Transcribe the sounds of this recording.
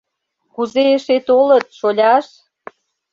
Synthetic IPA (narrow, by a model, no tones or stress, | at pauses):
kuzeeʃet̪olət̪̚ʃolʲɑʃ